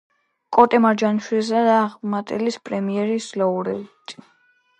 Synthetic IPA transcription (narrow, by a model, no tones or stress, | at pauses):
kʼɔt̪ʼɛmaɾd͡ʒanʃwilzaɾaʁmat̪ʼɛlispʼɾɛmiɛɾislɔuɾɛit̪ʰʼi